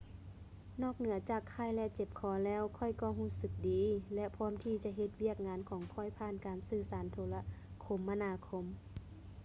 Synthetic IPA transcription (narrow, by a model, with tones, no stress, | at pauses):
nɔː˧˥˩k̚nɯ˨˩˦ɐt͡ɕaː˨˩kʰːa˧˩˨jlɛ˧t͡ɕe˧˩p̚kʰɔː˨˦lɛː˧˥˨wkʰɔ˧˩˨jkɔː˧˩ɦuː˧˥˨sɯ˧˦k̚diː˨lɛ˧pʰɔː˧˥˨mt̪ʰiː˧t͡ɕa˧˦ʔɦe˧t̪̚wi˧˥˩ək̚ŋaː˨˧˥nkʰɔː˨˦ŋkʰɔ˧˩˨jpʰaː˧˥˨nkaː˨nsɯː˧˩saː˨˦nt̪ʰoː˧˦la˧˨kʰo˧˦mːa˧naː˧˥kʰo˧˥m